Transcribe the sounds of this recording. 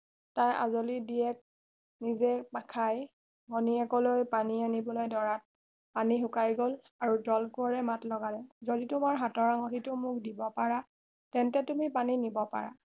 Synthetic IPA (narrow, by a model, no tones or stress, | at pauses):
taja̰zolidiɛk̚ | nizɛpakʰaj | ɡɔniɛkɔlojpanianibɔlojdɔɹat̚ | paniɦʊkajɡol | aɹudɔlkoɹɛmatlɔɡalɛzoditʊmaɹɦatɔɹaŋɔtitʊmʊkdibɔpaɹa | tɛntɛtumipaninibɔpa̰ɹa̰